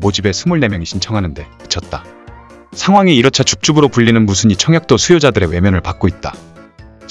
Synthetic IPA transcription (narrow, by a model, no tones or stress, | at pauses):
mod͡ʑibe̞sʰumuɭne̞mjʌŋiɕʰint͡ɕʰʌŋɦanɯnde̞kɯ̥t͡ɕʰʌt̚t͈a | sʰaŋɦwaŋiiɾʌt͡ɕʰat͡ɕuk̚t͡ɕ͈ubɯɾopuʎːinɯnmusʰɯɲit͡ɕʰʌŋjak̚t͈osʰujod͡ʑadɯɾe̞we̞mjʌnɯɭpak͈̚oit̚t͈a̰